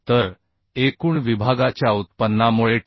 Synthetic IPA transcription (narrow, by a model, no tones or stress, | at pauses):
t̪əɾ | ekuːɳʋibʱaɡat͡ɕjaut̪̚pənːamuɭe